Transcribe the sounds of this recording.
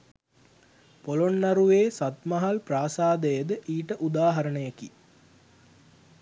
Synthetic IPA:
polonːaɾuʋeːsat̪mɐɦalpraːsaːd̪əjəd̪əʔiːʈəʔud̪aːɦɐɾəɳəjeki

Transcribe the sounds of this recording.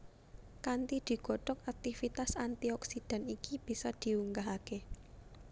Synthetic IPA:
kant̪id̪̥i̤ɡ̥ɔ̤ʈɔkak̚t̪ifit̪asant̪iɔksid̪̥a̤nikib̥i̤sɔd̪̥i̤uŋɡaɦake

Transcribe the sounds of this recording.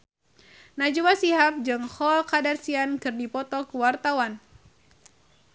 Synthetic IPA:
nad͡ʒuwasiɦap̚d͡ʒɨŋhɔlkadarsiankɨrdipɔt̪ɔkuwart̪awan

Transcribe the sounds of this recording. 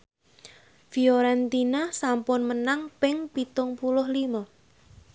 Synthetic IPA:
fioɾɛnt̪inasampʊnmənaŋpɪŋpit̪ʊŋpulʊhlimɔ

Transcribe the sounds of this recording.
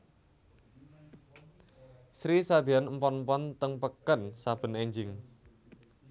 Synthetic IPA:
sɾisad̪̥ianmpɔnmpɔnt̪əŋpəkənsab̥ə̤nɛɲd͡ʒɪŋ

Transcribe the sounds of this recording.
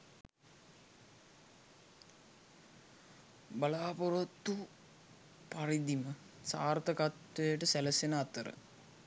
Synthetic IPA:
balaːpoɾɐt̪ːu | parid̪imə | saːrt̪əkat̪ʋejəʈəsæləsenəat̪əɾə̰

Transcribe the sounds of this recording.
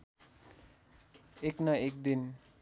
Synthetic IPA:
eknʌek̚d̪in

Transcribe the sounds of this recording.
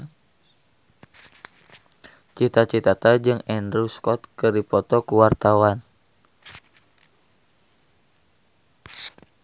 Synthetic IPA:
t͡ʃit̪at͡ʃit̪at̪ad͡ʒɨŋɛndɾuskɔt̪kɨrdipɔt̪ɔkuwart̪awan

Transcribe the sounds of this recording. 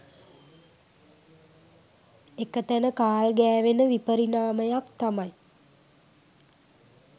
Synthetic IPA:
ekət̪ænəkaːlɡæːʋenəʋipəɾinaːməjakt̪amaj

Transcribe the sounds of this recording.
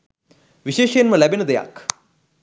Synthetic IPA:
ʋiʃeːʃjənməlæbenəd̪eja̰k

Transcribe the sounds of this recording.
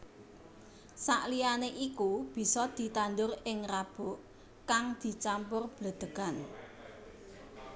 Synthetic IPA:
saʔlijaneʔikub̥i̤sɔd̪̥i̤t̪and̪ʊrɪŋrab̥ʊ̤ʔ | kaŋd̪̥i̤t͡ʃampʊrb̥lə̤d̪̥ə̤kan

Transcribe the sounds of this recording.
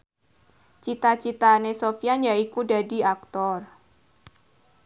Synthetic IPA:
t͡ʃit̪at͡ʃit̪anesofianjaikuda̤di̤ak̚t̪ɔr

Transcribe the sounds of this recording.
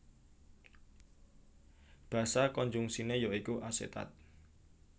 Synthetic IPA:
b̥ä̤sakɔɲd͡ʒuŋsinejoikuʔasḛt̪a̰t̪̚

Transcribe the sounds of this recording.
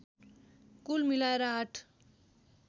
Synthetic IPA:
kulmilaeɾaːʈʰ

